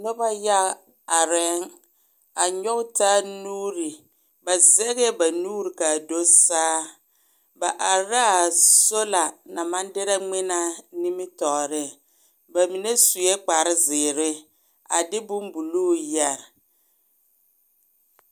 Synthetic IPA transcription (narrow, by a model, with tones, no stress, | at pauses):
nʊ˦ba˦ja˦ | a˨ɾɛ˦ŋ | a˨ɲɔ˦ɡtaː˦nuː˦ɾi˨ | ba˨zɛ˦ɣɛ˦ba˨nuː˦ɾi˨ka˨do˦saː˦ | ba˨ʔa˨ɾa˦a˨so˦la˨na˨ma˦ndɪ˦ɾa˦ŋ͡mɪ˦na˦ni˦mɪ˦tɔː˨ɾɪ˦ | ba˨mi˨ne˦su˨jɛ˦k͡pa˨ɾɪ˦zɪː˨ɾɪ˦ | a̰˨dɪ˦bu˦mbu˨luː˦˨jɛ˨ɾ